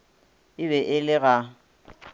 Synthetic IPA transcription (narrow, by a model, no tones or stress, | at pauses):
ɪβɛʔɪlɪɣa